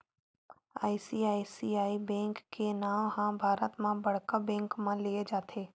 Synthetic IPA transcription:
a̰ːisiaːisiaːibɛ̃ːŋkːenaːmhãbʱaːɾət̪mãbɐɽkabɛ̃ːŋkmãlied͡ʒaːt̪ʰeː

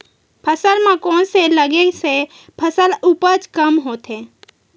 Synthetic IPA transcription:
pʰəsəlmãkɔːnseləɡese | pʰəsəlupət͡ʃkəmɦoːt̪ɦẽː

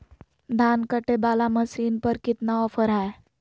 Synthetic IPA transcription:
d̪ʱaːnkəʈebaːlaməsiːnpəɾkɪt̪naɔːfʰəɾɦɛː

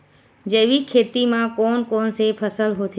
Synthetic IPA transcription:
d͡ʒeːʋikʰeːt̪imãkoːnkoːnsepʰəsəlɦoːt̪ʰ

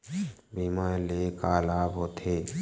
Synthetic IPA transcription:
biːmaːlekaːlaːbɦoːt̪ʰeː

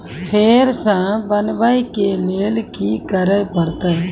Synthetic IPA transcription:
pʰeːɾsãbənbaikeleːlkikəɾəpəɾt̪a

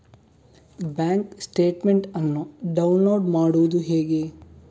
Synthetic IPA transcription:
baːŋksʈeːʈmeɳʈɐnːuɖɐwunloːɖmaːɽuʋud̪uɦeːɡe

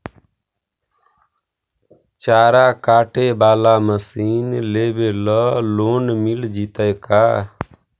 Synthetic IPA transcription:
t͡ʃaɾakaʈebalaməsinlebelɔlonmild͡ʒit̪əjka

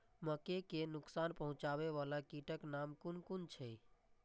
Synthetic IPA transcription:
məkekenʊksanpəɦũt͡ʃaβeʋalakiʈəknamkunkunt͡ʃʰɛ

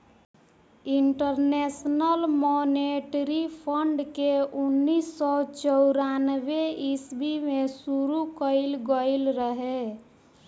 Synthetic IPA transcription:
iɳʈəɾnesnəlmoneʈɾipʰəɳɖkeunːisːɔt͡ʃəʊɾanbeisbimesuɾukəɪlɡəɪlɾəɦe

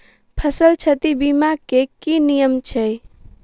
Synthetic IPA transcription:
pʰəsəlt͡ʃʰət̪ibimakekinijəmt͡ʃʰə

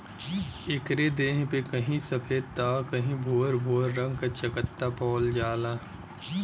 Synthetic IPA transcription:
ɪkɾed̪eːɦpekɐɦĩsɐpʰeːd̪̚t̪aːkɐɦĩbʱoːɾbʱoːɾːə̃ŋɡ̚kat͡ʃɐkət̪ːapɔːld͡ʒaːlaː

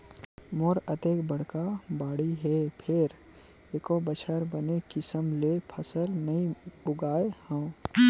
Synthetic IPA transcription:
moːɾət̪eːkbəɽ̤kabaːɽiɦɛpʰɪɾ | eːkobət͡ʃʰəɾbənekɪsəmlepʰəsəlnəĩʊɡaːehə̃ː

